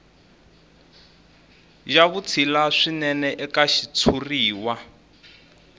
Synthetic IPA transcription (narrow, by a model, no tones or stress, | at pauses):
ʒaβut͡sʰilaʂinɛnɛʔɛkaʃit͡sʰuriːwa